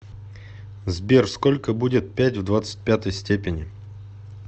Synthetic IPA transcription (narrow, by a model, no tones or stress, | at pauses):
zbʲerskolʲkəbudʲɪt̪̚pʲætʲvd̪vat̪sə̥t̚ʲpʲat̪əjsʲtʲepʲɪnʲɪ